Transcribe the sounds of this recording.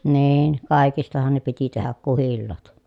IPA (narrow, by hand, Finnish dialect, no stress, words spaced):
niːn kɑˑi̯kistɑhɑn ne piti tehæk kuhilːɑːt